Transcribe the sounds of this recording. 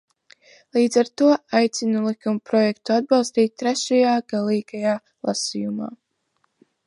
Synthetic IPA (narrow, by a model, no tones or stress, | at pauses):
lˠiːd̪zaɾt̪uɔajt̪sinulˠikumpɾɔjɛkt̪uad̪̚bɑlˠst̪iːt̪̚ʲt̪ːɾɛʃajaːɡ̥alˠiːɡajaː | lˠa̰sijuma̰ː